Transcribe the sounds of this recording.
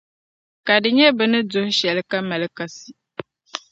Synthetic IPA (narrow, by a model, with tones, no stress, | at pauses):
ka˨dɨ˨ɲɛ˦bɨ˨nɨ˦dʊ˨hʃɛ˨lɨ˦ka˦ma˨lɨ˦ka˨si˦